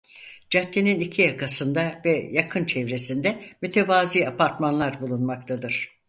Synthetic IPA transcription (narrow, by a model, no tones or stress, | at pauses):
d͡ʒat̪leninicʰijakʰasɯnd̪avɛjakʰɯnt͡ʃʰɛvɾe̞sind̪ɛmyt̪ʰevaːziːapʰaɾt̪manlˠaɾbulˠunmak̚t̪ʰad̪ɯɾ̥